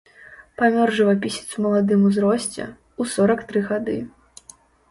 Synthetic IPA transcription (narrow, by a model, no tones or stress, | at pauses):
pamʲɔrʐɨvapʲisʲit̪sumɐlˠad̪ɨmuzɾɔsʲt͡sʲɛ̰ | usɔɾɐkt̪ɾɨɣad̪ɨ